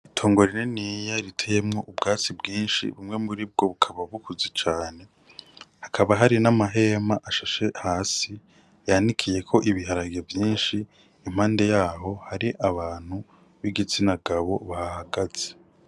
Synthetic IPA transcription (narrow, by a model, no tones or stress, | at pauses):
itʰo̞ːŋɡo̞ɾinenijaɾitʰeje̞mŋo̞ʔubɡaːt͡sibɡiːnʃḭβumŋe̞muɾib̚ɡo̞βukʰaβaβukuzit͡ʃaːne̞ | hakʰaβaɦaɾinamaɦe̞ːmaʔaʃaʃe̞haːsi | janikʰije̞kʰo̞ʔiβiɦaɾaɡevjiːnʃiː | m̥haːnde̞jaːɦo̞haɾiʔaβaːn̥hu | βiɡit͡sinaɡaβo̞βahahaɡaze̥